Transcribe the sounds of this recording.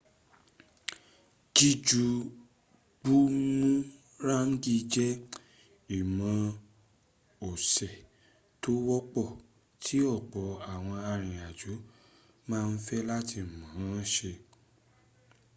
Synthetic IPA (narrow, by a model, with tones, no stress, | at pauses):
d͡ʒi˦d͡ʒu˦˧ | ɡ͡bu˦mũ˦ | ɾa˦ŋ̩˦ɡi˦˧d͡ʒɛ˦ | i˨mã˧ | o˨sɛ˨ | to˦wɔ˦k͡pɔ˦˨ | tʰi˨˦ɔ˦˨k͡pɔ˨˦a˨w̃ɔ̃˧a˧ɾ̃ĩ˨a˨d͡ʒu˨˦ | mãː˦˧n̩˦fɛ˦la˦tʰi˧˨mã˨˦ã˨˦ʃe˧